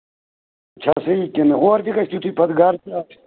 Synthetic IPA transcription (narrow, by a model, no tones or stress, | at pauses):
t͡ʃʰa̰sɐikinɣoːɾt̪ikɐɕt̪it̪ʰupʰɐd̪ɡaːɾt̪iaːt̪ʰ